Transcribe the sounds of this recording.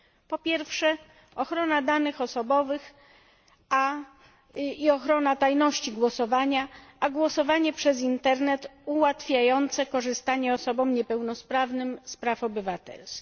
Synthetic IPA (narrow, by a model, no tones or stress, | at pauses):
pɔpʲjɛɾfʂɛ | ɔxɾɔnad̪anɘxɔsɔbɔvɘx | a | iɔxɾɔnat̪ajnɔɕt͡ɕiɡwɔsɔvaɲaaɡwɔsɔvaɲɛpʂɛzint̪ɛɾnɛt̪uwat̪fʲjajɔnt̪sɛkɔʐɘst̪aɲɛɔsɔbɔmɲɛpɛwnɔspɾavnɘmspɾafɔbɘvat̪ɛ̰lskʲi